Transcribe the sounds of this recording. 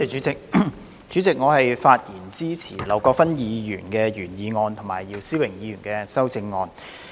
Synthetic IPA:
t͡ʃyː˨˥t͡sɪ˨k̚ | t͡ʃyː˨˥t͡sɪ˨k̚ŋɔː˨˧hɐ˨jfaː˧t̚jiː˨˩nt͡siː˥t͡sʰḭː˨˩lɐ˨˩wkɔː˧kfɐ˥njiː˨˧jyː˨˩nkɛː˧jyː˨˩njiː˨˧ŋɔː˧nt̪ʰʊ˨˩ŋmaː˨˩jiː˧wsiː˥wɪ˨˩ŋjiː˨˧jyː˨˩nkɛː˧sɐ˥wt͡sɪ˧ŋːɔː˧n

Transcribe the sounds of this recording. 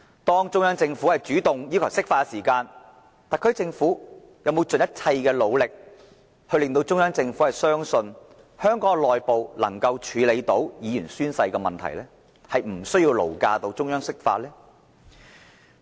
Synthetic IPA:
t̪ɔː˥ŋt͡ʃʊ˥ŋjœː˥ŋt͡sɪ˧ŋfuː˨˥hɐ˨jt͡ʃyː˨˥t̪ʊ˨ŋjiː˥kʰɐ˨˩wsɪ˥k̚faː˧ksiː˨˩kaː˧n | t̪aː˨nkʰɵ˨˧ɥt͡sɪ˧ŋfuː˨˥ | jɐ˨˧wm˨˧wt͡sɵ˨njɐ˥t̚t͡sʰɐ˧jkɛː˧lo˨˧wlɪ˨k̚ | hɵ˧ɥlɪ˨ŋt̪o˧wt͡sʊ˥ŋjœː˥ŋt͡sɪ˧ŋfuː˨˥hɐ˨˩jsœː˥ŋsɵ˧n | hœː˥ŋkɔː˨˥ŋlɔː˨jpo˨wlɐ̰˨˩ŋkɐ˧wt͡ʃʰyː˨˧le˨˧jt̪o˨˥wjiː˨˧jyː˨˩nsyː˥nsɐ˧jkɛː˧mɐ̰˨nt̪ʰɐ̰˨˩jlɛː˥ | hɐ˨jm̩˨˩sɵ˥jiː˧wlo̰˨˩wkaː˧t̪o˧wt͡ʃt͡sʊ˥ŋjœː˥ŋsɪ˥k̚fa̰ː˧t̚lɛː˥

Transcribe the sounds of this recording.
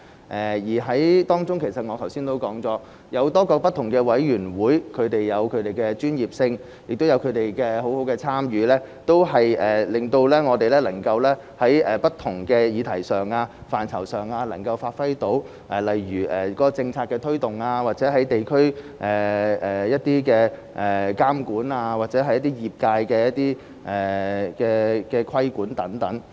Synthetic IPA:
ʔɛː˨jiː˨˩ɦɐ˨˥jt̪ɔː˥ŋt͡sʊ˥ŋkʰe˨˩jsɐ˨t̚ŋɔː˨˧t̪ʰɐ˨˩wsiː˥nt̪o˥wkɔː˨˥ŋt͡sɔː˨˧˥ | jɐ˨˧wt̪ɔː˥kɔː˧k̚pɐ˥t̪ʰːʊ˨˩ŋkɛː˧wɐ˨˥jjyː˨˩nwuː˨˥jkʰɵ˨˧ɥt̪e˨jːɐ˨˧wkʰɵ˨˧ɥt̪e˨˩jkɛː˧t͡ʃyː˥njiː˨p̚sɪ˧ŋ | jɪ˨k̚t̪o˥wjɐ˨˧wkʰɵ˨˧ɥt̪e˨jkɛː˧ɦo˨˥who˨˥wkɛː˧t͡sʰaː˥mjyː˨˧lɛː˥ | t̪o˥wɦɐ˨jʔɛː˨lɪ˨ŋt̪o˧wlɛː˥ŋɔː˨˧t̪e˨jlɛː˥lɐ˨˩ŋkɐ˧wlɛː˥ | hɐ˨˥jɛː˨˩pɐ˥t̪ʰʊ˨˩ŋkɛː˧jiː˨˧t̪ʰɐ˨˩jsœː˨˩ŋaː˧faː˨˩nt͡sʰɐ˨˩wsœː˨ŋaː˧lɐ˨˩ŋkɐ˧wfaː˧t̚fɐ˥jt̪o˨˥w | ʔɛː˨˩lɐ˨jɥyː˨˩ʔɛː˨˩kɔː˨˥kɔ˧t͡sɪ˧ŋt͡sʰaː˧t̚kːɛː˧t̪ʰɵ˥ɥt̪ʊ˨ŋaː˧waː˨˩t̚t͡sɛː˨˥ɦɐ˨˥jt̪e˨jkʰɵ˥ɥ | ʔɛː˨˩ɛː˨jɐ˥t̚t̪iː˥kɛː˧ | ʔɛː˨˩kaː˥mkuː˨˥naː˧waː˨t̚t͡sɛː˨˥ɦɐ˨jɐ˥t̪iː˥jiː˨p̚kaː˧jkɛː˧jɐ˥t̚t̪iː˥ | ʔɛː˨˩kɛː˧kɛː˧kʰwɐ˥jkuː˨˥nt̪ɐ˨˥ŋt̪ɐ˨˥ŋ

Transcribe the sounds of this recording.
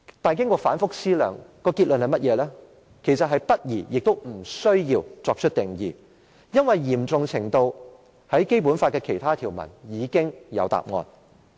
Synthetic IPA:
t̪aː˨nkɪ˥ŋkɔː˧faː˨˥nfʊ˥k̚siː˥lœ̰ː˨ŋkɔː˧kiː˧t̚lɵ˨nhɐ˨jmɐ˥t̚jɛː˨˧lɛː˥ | kʰe˨˩jsɐ˨t̚ɦɐ˨jpɐ˥t̚jiː˨˩jɪ˨k̚t̪o˥wm̩˨˩sɵ˥ɥjiː˧wt͡sɔː˧k̚t͡ʃʰɵ˥t̚t̪ɪ˨ŋjiː˨ | jɐ˥nwɐ˨jjiː˨˩mt͡sʊ˨ŋt͡sʰɪ˨˩ŋt̪o˧w | hɐ˨˥jke˥jp̬uː˨˥nfaː˧t̚kɛː˧kʰe˨˩jt̪ʰaː˥t̪ʰiː˨˩wmɐ̰˨˩njiː˨˧kɪ˥ŋjɐ̰˨˧wt̪a̰ː˨p̚ŋɔ̰ː˧n

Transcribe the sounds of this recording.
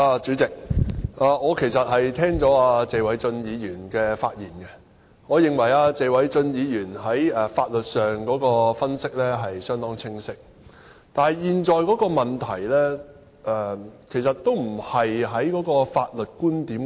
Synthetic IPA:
aː˧t͡ʃyː˨˥t͡sɪ˨k̚aː˨ŋɔː˨˧kʰe˨˩jsɐ˨t̚hɐ˨jt̪ʰɛː˥ŋt͡sɔː˨˥aː˧t͡se˨˧wɐ˨˥jt͡sɵ˧njiː˨˧jyː˨˩nkɛː˧fa̰ː˧t̚jiː˨˩nkɛ˧ | ŋɔː˨˧jɪ˨ŋwɐ˨˩jaː˧t͡se˨˧jwɐ˨˥jt͡sɵ˧njiː˨˧jyː˨˩nɦɐ˨˥jɐː˨˩faː˧t̚lɵ˨t̚sœː˨ŋkɔː˨˥kɔː˧fɐ˥nsɪ˥k̚lɛː˥ɦɐ˨jsœː˥ŋt̪ɔː˥ŋt͡sʰɪ˥ŋsɪ˥k̚ | t̪aː˨nɦɐ˨˩jjiː˨nt͡sɔː˨˧jkɔː˨˥kɔː˧mɐ˨nt̪ʰɐ˨˩jlɛː˥ | ʔɛː˨˧kʰe˨˩jsɐ˨tt̪ːo˥wm̩˨˩hɐ˨jɦɐ˨˥jkɔː˨˥kɔː˧faː˧t̚lɵ˨t̚kuː˥nt̪iː˨˥m

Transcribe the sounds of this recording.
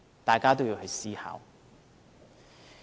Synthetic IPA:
t̪aː˨jkaː˥t̪o˥wjiː˨˧whɵ˨˧ɥsiː˥ha̰ː˨˧w

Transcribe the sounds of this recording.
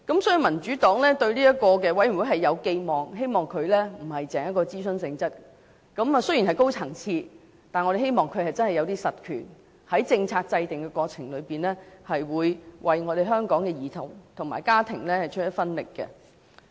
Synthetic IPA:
kɐ˨˥msɔː˨˥jy˧mɐ˨˩nt͡ʃy˨˥t̪ɔː˨˥ŋlɛː˥t̪ɵ˧ɥliː˥jɐ˥t̚kɔː˧k̬ɛː˧wɐ˨˥jm̩˨˩wuː˨˥jɦɐ˨˩jːɐ˨˧wke˧jmɔː˨ŋɦe˥jmɔː˨ŋkʰɵ˨˧ɥlɛː˥m̩˨˩hɐ˨jt͡sɛː˨˥ŋjɐ˥tkːɔː˧t͡siː˥sɵ˧nsɪ˧ŋt͡sɐ˥t̚ | kɐ˨˥ma˨sɵ˥ji˨˩nɦɐ˨jko˥wt͡sʰɐ˨˩ŋt͡sʰiː˧ | t̪aː˨nŋɔ˨˧ɾe˨˩he˥jmɔː˨ŋkʰɵ˨˧ɥhɐ˨jt͡sɐ˥nhɐ˨˩jɐ˨˧wt̪̬iː˥sɐ˨t̚kʰyː˨˩n | hɐ˨˥jt͡sɪ˧ŋt͡sʰaː˧t̚t͡sɐ˧jt̪ɪ˨ŋkɛ˧kʷɔː˧t͡sʰɪ˨˩ŋlɵ˨˧ɥpiː˨nlɛː˥hɐ˨jwuː˨˧jwʔɐ˨jŋɔː˨˧ɾe˨˩ɦœː˥ŋkɔː˨˥ŋkɛː˧jiː˨˩t̪ʰʊ˨˩wt̪ʰʊ˨˩ŋma̰ː˨˩jkaː˥t̪ʰɪ˨˩ŋlɛː˥hɐ˨jt͡ʃʰɵ˥t̚jɐ˥t̚fɐ˥nlɪ̰˨kːɛ̰˧

